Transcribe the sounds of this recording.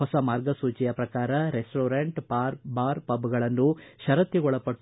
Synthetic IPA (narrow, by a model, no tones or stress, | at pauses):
ɔsɐmaːɾɡɐsuːt͡ʃijɐpɾɐkaːɾɐɾesʈoːɾeɳʈpaːɾbaːɾpɐbɡɐɭɐnːuʃɐɾɐt̪ːiɡɔɭɐpːɐʈː